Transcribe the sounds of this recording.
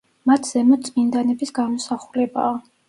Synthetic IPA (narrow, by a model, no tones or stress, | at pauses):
mat̪ʰz̥ɛmɔt̪sʼmind̪anɛbisɡamɔsaχulɛba̰ː